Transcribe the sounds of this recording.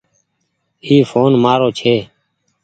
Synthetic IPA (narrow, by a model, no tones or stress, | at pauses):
iːfoːnmaːɾoːt͡ʃʰeː